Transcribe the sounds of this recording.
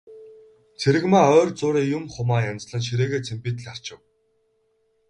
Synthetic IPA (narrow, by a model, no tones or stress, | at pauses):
t͡sʰeɾɘ̆ɣmaːœːrt͡sʊːɾiːjʊmχʊmaːjant͡sɮə̆nʃ̬iɾeːɣeːt͡sʰempiːt̪̆ɮar̥t͡ɕɪ̆w